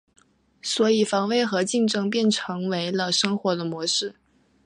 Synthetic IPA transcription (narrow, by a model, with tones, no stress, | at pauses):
swɔ˧˥i˨˩fɑ˧˥ŋwe˥˩ɪxɤ˧˥t͡ɕi˥˧ŋʈ͡ʂɤ˥ŋpjɛ˥˩nʈ͡ʂʰɤ˧˥ŋwe˧˥ɪlə˧ʂɤ˥ŋxwɔ˧˥d̪ə˧mwɔ˧˥ʂɻ̩˥˩